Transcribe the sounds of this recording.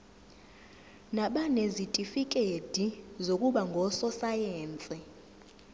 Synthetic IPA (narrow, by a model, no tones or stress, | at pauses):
naɓanezitʼifik̬ʼed̥ʱizokʼuɓaŋɡʱɔsɔsajɛːnt͡sʼɛ